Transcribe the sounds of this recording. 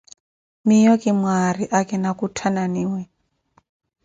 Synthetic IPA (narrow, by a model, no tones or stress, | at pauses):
mijɔkʼimwariʔakɛnakutʰananiːwɛ